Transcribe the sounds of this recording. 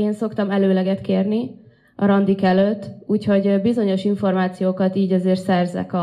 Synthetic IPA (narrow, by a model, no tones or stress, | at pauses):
eːnso̞kt̪ɒmɛløːlɛɡɛt̪keːrni | ɒɾɒnd̪ikɛløt̪ːuːcho̞ɟbizo̞ɲo̞ʃiɱfo̞rmaːt̪sijoːkɒt̪iːɟɒzeːrt̪sɛrzɛ̰kɒ